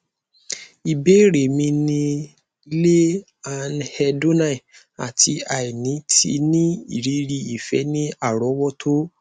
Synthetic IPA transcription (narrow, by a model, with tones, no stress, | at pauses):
i˨be˨˦ɾe˨mĩ˧nĩ˧ | i˧le˦ | a˧nhɛ˧do˦na˦˨i˨ | a̰˨tʰi˧a˨i˨nĩ˨˦tʰḭ˧nĩ˦ḭ˦˨ɾi˨˦ɾi˧i˨fɛ̰˨˦nĩ˦a˦˨ɾɔ˨˦wɔ˦tʰo˦